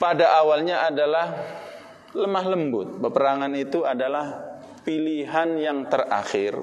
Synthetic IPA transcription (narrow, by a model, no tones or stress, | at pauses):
padaʔawalɲaʔadalah | ləmaɦləmbʊt̪̚bəpəɾaŋanit̪uadalah | piliɦanjaŋt̪əra̰xɪ̰r